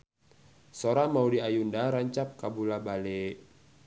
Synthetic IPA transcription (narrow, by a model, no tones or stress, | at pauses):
soɾamaudiajundaɾaɲt͡ʃap̚kabulabale